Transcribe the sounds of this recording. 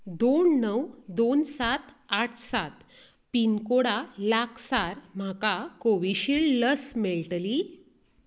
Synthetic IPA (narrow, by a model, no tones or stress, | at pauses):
d̪onnəwd̪onsat̪ | aʈʰsat̪ | pinkoɽalakʰsaɾm̤akakoʋiɕilləsmeɭʈəli